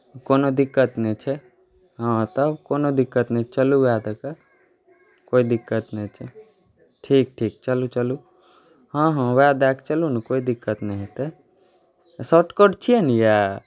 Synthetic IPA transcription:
koːnod̪ɪkːət̪nɛt͡ʃʰɛ | ɦãt̪əbkoːnod̪ɪkːət̪nɛ̃t͡ʃəluwaːd̪akə | koːid̪ɪkːət̪nẽt͡ʃʰɛ̰ | ʈʰiːk̚ʈʰiːk̚t͡ʃəlut͡ʃəlu | ɦãːɦãʋead̪akt͡ʃəlunkoːid̪ɪkːət̪nɛɦĩt̪e | soːʈkoɖt͡ʃʰienija

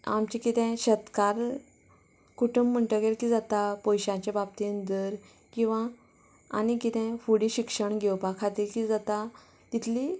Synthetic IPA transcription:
a̰mt͡ɕikit̪ɛ̃ɕət̪kaɾ | kuʈum̤ːəɳʈəɡeɾkiːd͡zat̪apɔjɕãt͡ɕebab̚t̪iənd̪əɾ | kĩw̃ʋã | a̰ñikit̪ɛ̃fuɽiɕikʂəɳɡʱewpakʰat̪ilkid͡zat̪a | t̪it̪ʰli

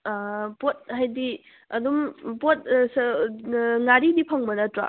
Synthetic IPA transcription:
pot̚ɦajdi | ɐdumpot̚s | ŋaɾidipʰɐŋbɐnɐtɾa̰

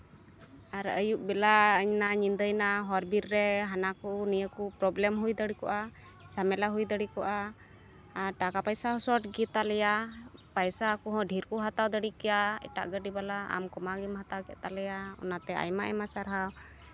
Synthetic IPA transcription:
aɾəjuʔ̚bɛlaəɲnaɲind̪əjnaɦɔɾbiɾɾɛɦanakunijəkupɾɔblɛmɦujd̪əɽikɔ̰ʔa | t͡ʃamɛlaɦujd̪əɽikɔʔaː | ɾʈakapajsaɦɔsɔʈɡit̪alɛjapajsaːkuɦɔ̃ɖʱiɾkuɦat̪awd̪əɽikɛjaɛ̰ʈa̰ʔɡəɖibalaa̰mkɔmaɡimhat̪awkɛ̰ʔt̪alɛjaɔ̰nat̪ɛa̰jma̰ʔɛmasaɾɦaw

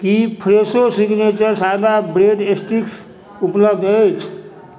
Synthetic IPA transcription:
kipʰɾesosiɡnet͡ʃəɾsad̪abɾeɖesʈiks | upləbd̪əjt͡ʃʰ

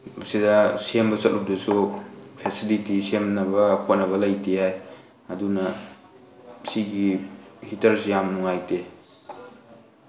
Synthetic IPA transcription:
sidɐsembɐsɐt̚lup̚dusupʰesilitisemnɐbɐkʰot̚nɐβɐlɐjtijaj | ɐdunɐ | siɡihitɐɾsijamnuŋajte

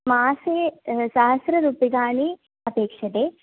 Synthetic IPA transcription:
maːsesaːɦɐsɾɐɾuːpiɡaːɳi | ɐpeːkʂɐt̪e

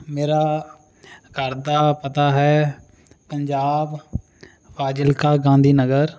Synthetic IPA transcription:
meːɾaː | kəɾd̪aːpət̪aɦɛː | pəɲd͡ʒaːb | ʋaːd͡ʒəlkaɡãːnd̪ʱiːnəɡəɾ

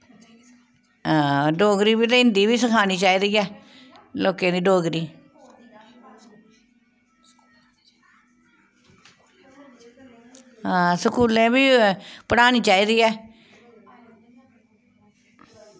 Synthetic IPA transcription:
ãːɖoːɡɾiːbiːt̪eɪnd̪iːβiːsəkʰaːniːt͡ʃaːiːd̪iːɛː | loːkẽːd̪iːɖoːɡɾiː | ɦãːsəkuːlẽːbiːpəɽaːniːt͡ʃaːiːd̪iːɛː

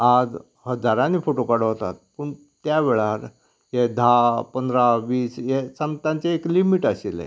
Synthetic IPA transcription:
ad͡z | həd͡zaɾãnifoʈokaɽɦot̪a̰t̪̚puɳ | t̪jaʋeɭaɾ | jed̪ʱapənd̪ɾaʋiːsjesəmt̪ãɲt͡ɕeeklimiʈasilḛ̃

